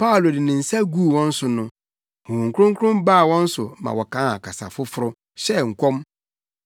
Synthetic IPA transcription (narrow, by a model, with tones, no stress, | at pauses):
pa˦ʊ˨lo˨dɪ˨nɪ̃˨n̩˨sa˦ɡu˦˨wɔ̃˦n̩˦sʊ˨nʊ̃˦ | hɔ̃˨hũ˨ŋ̩˨kʰʊ˦ɾʊ̃˦ŋkʰʊ˦ʊ̃˦mbaː˦˨wɔ̃˦n̩˦sʊ̰˨mã̰˨wɔ˨kʰã˨˦a˨kʰa˨sa̰˨fʊ˦fʊ˦ɾʊ˦ | ɕɛ˦˨ŋ̩˨kʷʰɔ̃˦m